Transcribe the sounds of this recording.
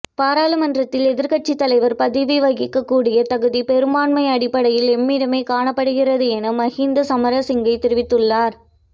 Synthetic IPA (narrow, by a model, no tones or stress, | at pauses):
paːɾaːlɐmɐndrɐt̪ːɪlɛðɪɾkɐʈ̚t͡ʃit̪ːɐlɐɪʋɐɾpɐðɪʋiʋɐɣɪkːɐkːuːɽɪjɐt̪ɐɣɯðipɛɾɯmaːɳmɐɪɐɽɪpːɐɽɐjɪlɛmːiːɽɐmeːkaːɳɐpːɐɽɯɣɪrɐðɯɛnɐmɐɣind̪ɐsɐmɐɾɐsɪŋɡɐɪt̪ːɪɾɯʋɪt̪ːɯɭːaːɾ